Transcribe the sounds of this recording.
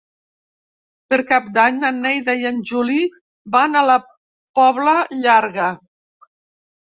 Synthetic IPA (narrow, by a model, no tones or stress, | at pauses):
pəɾkap̚d̪aɲanːɛjðajanʲʒuli | banələ | pɔβləʎaɾɣə